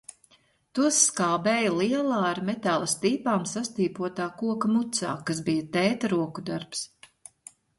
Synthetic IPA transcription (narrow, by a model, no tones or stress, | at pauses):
t̪uɔsːkaːbɛːjɐlˠiɛlˠaːaɾmɛt̪alˠɐst̪iːpaːmsast̪iːpuɔt̪aːkuɔkamut̪sa̰ːkasbijɐt̪ɛjt̪ɾuɔkud̪aɾps